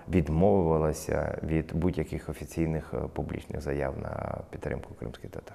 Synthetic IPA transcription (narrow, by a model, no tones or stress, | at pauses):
ʋʲid̪mɔʋʊʋɐlˠɐsʲɐ̰ʋʲid̪budʲjɐkɪxɔfʲit͡sʲijnɪxpublʲḭt͡ʃnɪ̰ɣzɐjawnɐ̰pʲit̪t̪ɾɪ̰mkʊ̥kɾɪ̰msʲkɪjt̪ɛt̪ar